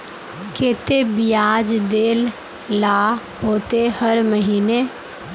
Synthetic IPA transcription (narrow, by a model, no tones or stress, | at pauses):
keːt̪ebijaːd͡ʒd̪eːl | la | ɦoːt̪ehəɾməɦiːne